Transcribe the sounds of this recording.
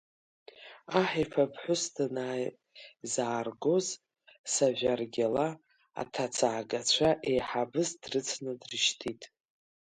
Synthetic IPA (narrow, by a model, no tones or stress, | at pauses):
aħifʰapʰħʷʊsdʰanaj | zaːrɡoz | saʒʷᶣarɡʲala | a̰tʰat͡sʰaːɡat͡ɕʷʰaʔejħabɨzdrɨt͡sʰnɨdrɨʃtʰitʼ